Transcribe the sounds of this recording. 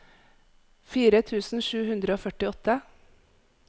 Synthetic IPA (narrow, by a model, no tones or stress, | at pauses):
fiːɾət̪ʰʉːsn̩ʃʉːhʉnd̪ɾəoːfœʈɪɔt̪ə